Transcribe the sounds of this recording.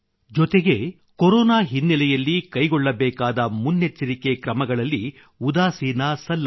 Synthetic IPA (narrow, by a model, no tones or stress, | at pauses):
d͡ʒɔt̪eɡe̞ | kɔɾɔːnaːɦinːɛlɛjɐlːikɐjɡɔɭːɐbɛːkaːd̪ɐmunːet͡ʃːɐɾike̞kɾɐmɐɡɐɭɐlːi | ud̪aːsiːnɐsɐlːɐ